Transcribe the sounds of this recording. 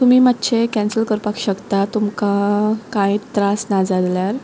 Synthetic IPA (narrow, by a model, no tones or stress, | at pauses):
t̪umiːmat̪ːt͡ɕʰekɛ̃nsəlkəɾpakɕəkt̪at̪umkakãĩt̪ɾasnad͡zad̪ljaɾ